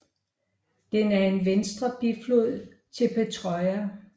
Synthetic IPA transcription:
d̥enæɐe̝nʋensd̥ʁɐb̥iflo̝ð̰ˠ | t͡sʰe̝lpʰet͡sʰʁɒɪæ

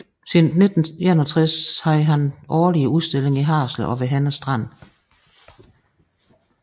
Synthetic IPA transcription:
sinne̝d̥n̩enɒt͡sʰʁɛshɑ̈ɦænʔɒːliəuðˠsd̥e̝le̝ŋiɦɑ̰̈ːsləʔɒ̽ʋe̝ɦænəsd̥ʁɑn̰

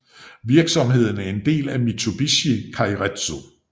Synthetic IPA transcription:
ʋiɐɡ̥sɒ̽mɦe̝ð̰ˠn̩æɐe̝nd̥e̝̰ːlæmit͡sʰob̥iɕikʰɑ̈iʁed̥so

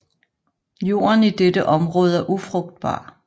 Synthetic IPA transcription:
jo̝̰ːɐnid̥edəʔɒ̽mʁɔ̽ːð̞ˠæɐʔufʁɔ̽ɡ̥̚d̥̚b̥ɑ̰̈ː

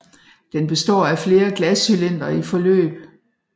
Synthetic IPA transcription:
d̥enb̥e̝sd̥ɒ̰ːæfle̝ːɐɡ̥læsilen̰d̥ɐifɒ̽lø̰ːb̥

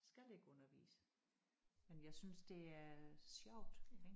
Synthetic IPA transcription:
sɡ̥æle̝ɡ̥əɔ̽nɐʋḭːsə̥ | menjɑ̈ɪsynsd̥e̝æɐsjɑʊ̰d̥eɡ

